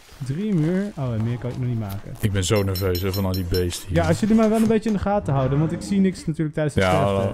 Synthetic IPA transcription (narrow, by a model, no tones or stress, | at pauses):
drimyːɹowɛnmɪːɹkɑnɪknɔχnitmaːkə̰nɪɡ̚bɛnzownɛɹvøːsɛvɑnɑlˠdibejstəijaɑsjəlimɛjʋɛlˠənbejt͡ʃəɪndəχaːtəɦʌwdənʋɑntɪksinɪksnatyːɹlək̚tɛjdənsja